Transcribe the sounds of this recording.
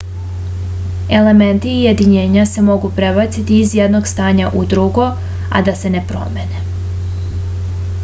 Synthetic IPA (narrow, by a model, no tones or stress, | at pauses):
e̞le̞me̞nt̪ije̞d̪iɲe̞ːɲase̞mo̞ɡupɾe̞bat̪sit̪iːzjed̪no̞ɡst̪aːɲaʔud̪ɾuɡo̞ | a̰d̪ase̞ne̞pɾo̞̰me̞ne